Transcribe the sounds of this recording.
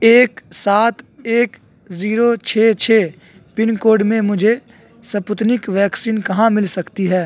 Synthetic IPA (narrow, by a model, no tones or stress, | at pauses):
eːksaːt̪eːk | ziːɾot͡ʃʰeːt͡ʃʰeː | pɪnkoːɾɖmẽmʊd͡ʒʱe | sɐpʊt̪nɪkʋɛːksiːnkɐɦãmɪlsɐkt̪iɦɛː